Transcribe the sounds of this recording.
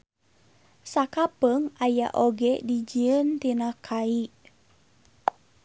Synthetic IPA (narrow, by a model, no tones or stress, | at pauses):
sakapəŋaja̰ʔoɡɛdid͡ʒiənt̪inakʰaiʔ